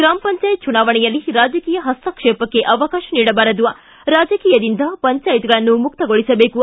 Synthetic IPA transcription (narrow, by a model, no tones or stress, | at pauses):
ɡɾaːmɐpɐɲt͡ʃaːjt̪̚t͡ʃunaːʋɐɳɛjɐlːiɾaːd͡ʒɐkiːjɐɦɐst̪ɐkʂɛːpɐkːe̞ʔɐʋɐkaːʃɐniːɽɐbaːɾɐd̪uʋɐ | ɾaːd͡ʒɐkiːjɐd̪ind̪ɐpɐɲt͡ʃaːjit̪iɡɐɭɐnːumuk̚t̪ɐɡoɭisɐbeːku